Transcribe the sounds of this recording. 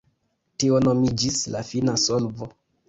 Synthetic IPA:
tio̞no̞mid͡ʒislafinasolvo

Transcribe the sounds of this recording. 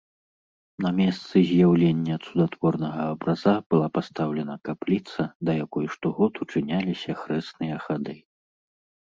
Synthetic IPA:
nɐmʲɛst̪sɨzʲjawlʲenʲːɐt̪sud̪at̪vɔrnɐɣɐːbɾazab̥ɨlˠapast̪awlʲɛnɐkaplʲit̪sɐd̪ɐjakɔjʂt̪ɔɣɔt̪ut͡ʂɨnʲalʲisʲɐxɾɛsnɨjɐxad̪ɨ

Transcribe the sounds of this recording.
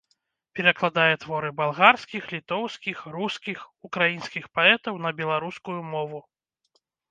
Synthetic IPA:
pʲɛɾɐklˠad̪ajɛt̪vɔɾɨbalˠɣarsʲkʲixlʲit̪ɔwskʲixruskʲixukɾajinskʲixpaɛt̪ɐwn̪ɐbʲɛlˠaɾuskujumɔvu

